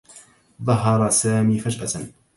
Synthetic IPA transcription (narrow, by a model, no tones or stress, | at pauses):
ðˤɑɦɑɾˤɑsaːmiːfad͡ʒʔasan